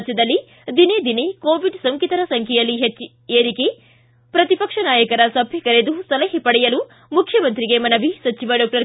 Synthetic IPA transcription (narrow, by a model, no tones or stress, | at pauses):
t͡ʃjɐd̪ɐlːi | d̪ined̪inekoːʋiɖsɐŋkit̪ɐɾɐsɐŋkʰɐjɐlːiɦt͡ʃː | eːɾike | pɾɐt̪ipɐkʂɐnaːjɐkɐɾɐsɐbʱjɐkɐɾed̪usɐlɐɦipɐɽɛjɐlu | mukʰjɐmɐnt̪ɾiɡe̞mɐnɐʋisɐt͡ʃiʋɐɖɔːk̚ʈɐɾ